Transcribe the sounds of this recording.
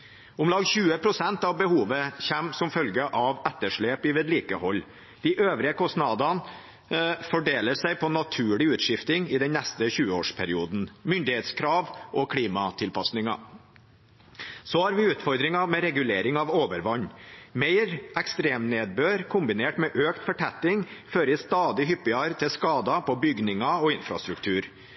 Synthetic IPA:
ʊmlɑɡçʉːəpʰɾʊsɛnt̪ɑʋbəhuːʋəçæmsɔmfœlɡəʔɑʋɛt̪ːəʂɭeːpɪʋɛːd̪liːkəhɔlː | d̪̥ɪʔøːʋɾɪəkʰɔsnɑd̪ɑn | fɔɖeːləsæɪpʰɔnɑt̪ʰʉːɭɪʉːt̪ʂɪft̪ɪŋɪd̪ɛnnːæst̪əçʉːəoːʂpʰæɾɪuːd̪n̩mʏnd̪ɪheːt̪skʰɾɑːʋɔkʰɽiːmɑt̪ʰɪlpʰɑsnɪŋɑ̰ | sɔhɑɾʋɪʉːt̪fɔɾd̪ɾɪŋɑmɛɾɛɡʉleːɾɪŋɑʋoːʋəɾʋɑɲːmeɪɾɛkst̪ɾeːmneːd̪̚bøːɾkʰʊmbɪneːʈmɛʔøːkt̪fɔʈʰæt̪ːɪŋføːɾəɪst̪ɑːd̪ɪɦʏpːɪɑɾt̪ʰɪlskɑːd̪ɑpʰɔbʏɡnɪŋɑɔɪnfɾɑ̰st̪ɾʉkt̪ʰʉːɾ

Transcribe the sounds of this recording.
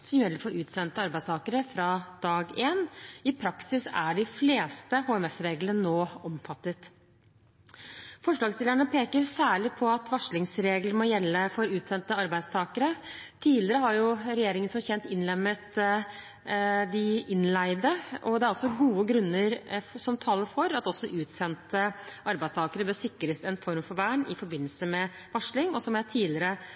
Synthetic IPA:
sɔmjɛlːəfɔɾʉːt̪sɛnt̪əɑɾbæɪst̪ʰɑːkəɾəfɾɑd̪̥ɑːɡeːnɪpʰɾɑksɪsæɖɪfleːst̪əhoːɛmɛsɾeːɡlənənoːɔmfɑt̪ːət̪ | fɔʂɭɑːɡst̪ɪləɳəpʰeːkəɾsæːɭɪpʰɔɑt̪ʰʋɑʂɭɪŋsɾeːɡləmɔjɛlːəfɔɾʉːt̪sɛnt̪əɑɾbæɪd̪st̪ʰɑːkəɾət̪ʰiːlɪɾəɦɑɾjʊɾɛjeːɾɪŋənsɔçɛnt̪ɪnlɛmːət̪ | d̪ɪɪnlæɪd̪əʔɔd̪ɛæɾɑlsɔɡuːəɡɾʉnːəɾsɔmt̪ʰɑːlːəɾfɔɾɑt̪ɔsɔʔʉːt̪sɛnt̪əʔɑɾbæɪst̪ʰɑːkəɾəbøːɾsɪkːɾəsɛnfɔɾmfɔɾʋæːɳɪfɔɾbɪnːəlsəmɛ | ʋɑʂlɪŋɔsɔmjæt̪ʰiːlɪəɾə

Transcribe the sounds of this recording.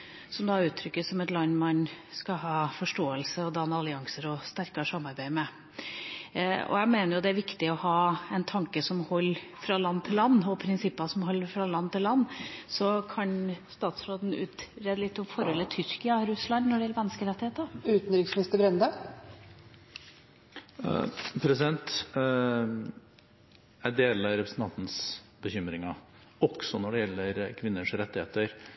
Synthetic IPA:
sɔmd̪ɑːʉːt̪ʰɾʏkːəsɔmɛt̪lɑnːmɑnskɑɦɑːfɔʂʈoːəlsəɔd̪ɑːnɑlɪɑŋsəɾɔst̪æɾkɑʂɑmːɑɾbæɪmɛ | ɔ̰jæɪmeːnəɾjʊd̪ɛæɾʋɪkt̪ɪɔhɑːɛnt̪ʰɑŋkəsɔmhɔlː | fɾɑlɑnːt̪ʰɪlːɑnːɔpʰɾɪnsɪpːɑsɔmhɔlːəfɾɑlɑnːt̪ɪllɑnːsɔkʰɑnst̪ɑːt̪sɾoːd̪n̩ʉ̰ːt̪ɾeːd̪əlɪt̪ːɔmfɔɾhɔlːət̪ʰʏɾkɪɑɾʉslɑnnɔɖɛjɛlːəmɛnːəskəɾɛt̪ːɪheːt̪əɾʉːt̪n̩ɾɪksmnɪst̪əbɾɛnd̪ə | pʰɾɛsɪd̪ɛnt̪ | æɖeːlɑɾɛpɾəsn̩t̪ɑnt̪n̩s | bəçʏmɾɪŋɑ | ɔksɔnɔɖɛjɛlːəɾkʰʋɪnːəʂɾɛt̪ːɪheːt̪əɾ

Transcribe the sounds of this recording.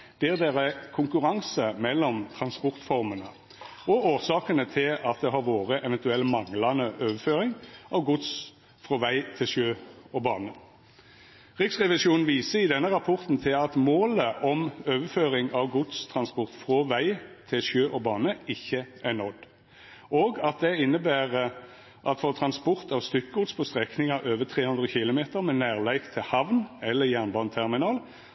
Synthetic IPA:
d̪̥ɛd̪eːʁəkʰʊŋkʉʁɑŋsəmɛlːɔmt̪ʰʁɑnspɔʁt̪fɔʁmənə | ɔoːʁsɑːkənət̪ʰɪlɑt̪̚d̪ɛːɦɑɾʋoːʁəʔɛʋɛnt̪ʉɛlːmɑŋlɑnəʔøːʋəføːʁɪŋʔɑʋɡʊd̪s | fʁɔːʋæɪt̪ʰɪlʃøːɔbɑːnə | ʁɪksʁɛʋɪsuːn̩ʋiːsəɪd̪ɛnːəʁɑpʰɔʁt̪n̩t̪ʰɪlɑt̪moːləʔɔmøːʋəføːʁɪŋɑʋɡʊd̪st̪ʰʁɑnspɔʁt̪fʁɔːʋæɪt̪ʰɪlʃjøːʔɔbɑːnəɪçːəʔænɔd̪ | oːɡɑt̪̚d̪ɛɪnːəbæːʁə | ʔɑt̪foːt̪ʰʁɑnspɔʁt̪ʰɑʋst̪ʏkɡʊd̪spʰɔst̪ʁɛknɪŋɑʔøːʋət̪ʰʁeːhʉnd̪ʁəçɪlʊmeːt̪əʁmɛnæːʁlæɪɡt̪ʰɪhɑʋnɛlːəjæʁnbɑːnət̪ʰæʁmɪnɑːl

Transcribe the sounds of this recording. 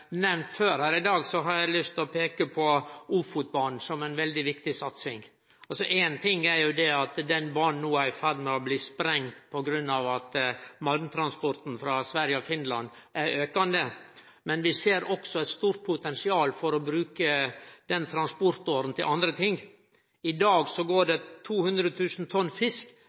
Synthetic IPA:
mɛnføːɾhæːɾɪd̪ɑːɡsɔɦɑɾjæɪlʏst̪ɔpʰeːkəpʰɔuːfut̪̚bɑːɳ̩sɔmæɪnʋɛld̪ɪʋɪkt̪ɪsɑt̪sɪŋ | ɑlsɔʔeːnt̪ʰɪŋːæɾjʊd̪ɛɑt̪d̪ɛnbɑɳn̩nːuːæɪfæɾmɛɔbliːspɾɛŋːpʰɔɡɾʉnːɑːʋɑt̪mɑlmt̪ʰɾɑnspɔɾt̪n̩fɾɑsʋæɾjəɔfɪnlɑnʔæɾøːkɑnd̪ə | mɛnʋɪseːɾɔksɔɛɪt̪st̪uːɾt̪̚pʰʊt̪ɛnsɪɑːlfɔɾɔbɾʉːkəd̪̥ɛnt̪ʰɾɑnspɔɾt̪oːɾən̩t̪ʰɪlʔɑnd̪ɾət̪ʰɪŋː | ɪd̪ɑːɡsɔɡoːɖɛt̪ʰuːhʉnd̪ɾət̪ʰʉːsn̩t̪ʰɔnːfɪsk

